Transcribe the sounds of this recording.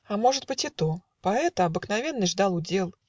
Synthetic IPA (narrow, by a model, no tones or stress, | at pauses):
ɐmɔʐɨd̪ʲbɨt͡sʲit̪ɔ | paɛt̪ɐɐbɨknavʲɛnːɨʐd̪alˠud͡zʲɛlˠ